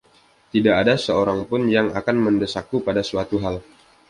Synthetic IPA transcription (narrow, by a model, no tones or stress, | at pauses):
t̪idaːdasəoɾaŋpʊnjaŋakanməndəsakupadasuwat̪uɦal